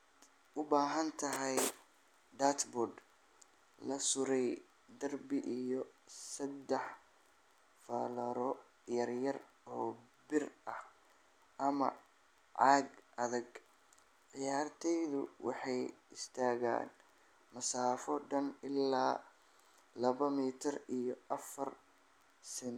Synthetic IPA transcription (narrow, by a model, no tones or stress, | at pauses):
ʊbaːɦɐnt̪ʰɐɦɛj | ɖ̪aːt̪bɔɖ | lɐsʊɾɛj | d̪ɐrbɪʔijɔsɐd̪ɛħ | fɐlɐɾɔ | jɐrjɐr | ɔː | bɪrʔɐh | ʔɐmɐ̰ | ʕɑːɡʔɐðɐɡ | ʕɪjaːrt̪ʰɛjðʊwɑ̰ħɑjɪst̪ʰaːɣa̰ːn | mɐsaːfɔɖɐnɪlːaː | lɐβɐmiːt̪ʰɪrijɔʔɐfɐr | sɪn